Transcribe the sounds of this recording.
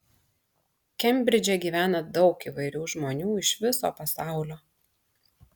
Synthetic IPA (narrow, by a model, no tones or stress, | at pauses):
kʲɛmʲbʲɾʲɪd͡ʒʲɛɡʲiːʋʲæːnɐd̪ɒʊkiʋɐɪɾʲuːʒmoːnʲuːɪʃʋʲɪso̰ːpɐsɑˑʊlʲoː